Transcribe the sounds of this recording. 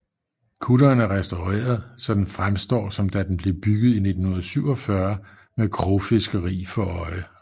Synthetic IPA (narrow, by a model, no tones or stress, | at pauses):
kʰuɾɐːnæɐʁɛsd̥aʊʁḛːɐð̞̩ˠsɒ̽d̥enfʁamsd̥ɒ̰ːsɒ̽md̥æd̥enb̥le̝b̥yɡ̥ð̞̩ˠine̝d̥n̩hunɐðˠsyʊ̰ɒ̽fɶɐ | mekʰʁofe̝sɡ̥əʁḭːfɒ̽ɒ̽ɪə